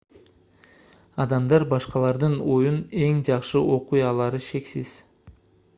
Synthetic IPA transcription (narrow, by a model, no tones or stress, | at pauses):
ɑd̪ɑmd̪ɑɾbɑʃqɑlˠɑɾd̪ɯno̞june̞ŋd͡ʒɑqʃɯʔo̞qujɑlˠɑɾɯʃe̞ksiz̥